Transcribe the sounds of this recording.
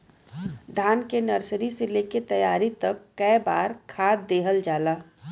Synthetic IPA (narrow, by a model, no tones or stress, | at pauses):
d̪ʱaːnkenɐɾsɾiseleket̪ɐjaːɾit̪ɐkːɐjbaːɾkʰaːt̪̚d̪eːɦəld͡ʒaːlaː